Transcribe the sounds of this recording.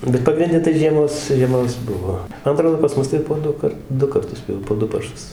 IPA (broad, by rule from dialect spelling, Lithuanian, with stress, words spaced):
bʲɛt pɐɡrʲɪnʲˈdʲɛ tɐɪ ʒʲiɛˈmoːs ʒʲiɛˈmoːs ˈbʊʋoː ˈmɐn ɐˈtroːdoː pɐs ˈmʊs tɐɪ poː ˈdʊkɐrt ˈdʊ kɐrˈtʊs jɛʊ poː ˈdʊ pɐrˈʃʊs